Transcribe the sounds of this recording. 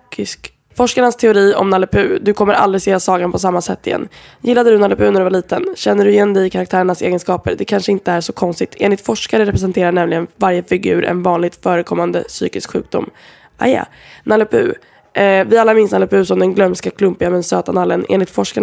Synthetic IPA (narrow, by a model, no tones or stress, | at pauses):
ɪsk | fɔʂkaɳast̪ʰɛʊɾiːɔ̰mnalɛpʰʉ̟ːd̪ɵkʰɔmːəɾʔa̰ld̪ɾɪseːasɑːɡanpʰɔsamːasɛt̪ːɪjɛ̰nː | jɪlːad̪əd̪ɵnalɛpʰʉ̟ːnæɖɵvaɭiːt̪ənɕɛnːəɖɵɪjɛnd̪ɛɪkʰaɾak̚t̪ʰæːɾəɳasḛːɡənskɑːpə̰ɾd̪ɛkʰanʂəɪnt̪əæʂɔkʰɔnst̪ɪt̪ʰḛːnlɪt̪fɔʂkaɾəɾɛpɾɛsɛnt̪ʰeːɾaɳɛmlɪɡənvaɾjəfɪɡʉ̟̰ːɾʔɛ̰nvɑːnlɪɡ̚t̪fœːɾəkʰɔmːand̪əsy̰ːkɪskɧʉ̟ːk̚d̪ʊ̰mː | ʔa̰ja̰ | nalɛpʰʉ̰ | vɪalːamɪnsnalɛpʉ̟ːsɔmd̪ɛnɡlœmskakʰlɵmpɪɡamɛnsøːt̪analːənʔḛːnlɪt̪fɔʂka